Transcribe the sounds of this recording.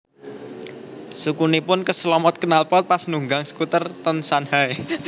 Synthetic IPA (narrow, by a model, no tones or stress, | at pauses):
sukunipʊnkəslɔmɔt̪̚kənalpɔt̪̚pasnuŋɡaŋsə̥kut̪ərt̪ɔnsanhae